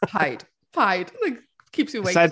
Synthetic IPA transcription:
pʰaɪd̥ | fʰaɪd̥laɪk | kʰiˑpsəweɪsa

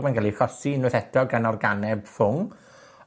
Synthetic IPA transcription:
manɡalˠikɔsinɨθɛdɔɡənɔrɡanɛb̥fʊŋ

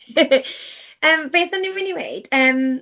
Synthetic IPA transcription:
əːmbeːθanɪmwɪniwḛɨd̥əːm

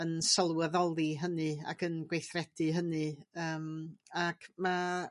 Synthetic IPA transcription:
ənsəlˠwəðɔlˠiɦənɨa̰ɡənɡwejθrɛd̥ɨɦənɨəːmakma

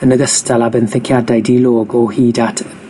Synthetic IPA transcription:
ənəɡəstalˠabɛnθɪkʰjadajdilˠoːɡɔhiːdatʰ

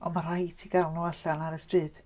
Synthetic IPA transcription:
ɔmar̥ajtʰiɡalˠnuaɬanaɾəstrɨːd̥

